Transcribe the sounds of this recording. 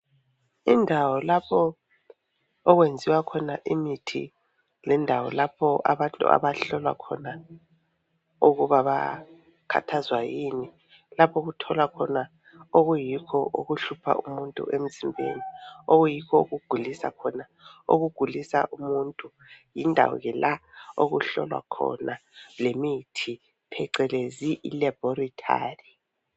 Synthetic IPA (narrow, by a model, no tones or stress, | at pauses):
indʱawɔlapʰɔ | ɔɣwend͡zʱiwakʰɔnaʔimitʰḭ | lɛndʱawɔlapʰɔʔa̰βantʼṵʔa̰βaɬɔlwa̰kʰɔna | uɣuβaβa̰ | kʰa̰tʰazwajini | lapʰɔɣutʰɔlwakʰɔna | oɣujikʰɔʔuɣuɬupʰa̰ʔumuntʼṵʔem̩zimbʱḛnioɣujikʰɔuɣuɡ̥ʱulisa̰kʰɔna | o̰ɣuɡ̥ʱulisa̰ʔumuntʼu | jindʱa̰wɔ̰ɣɛlaoɣuɬɔ̰lwa̰kʰɔ̰nalemitʰi | pʰɛǀɛleziʔilɛb̥ɔritʼʰa̰ːri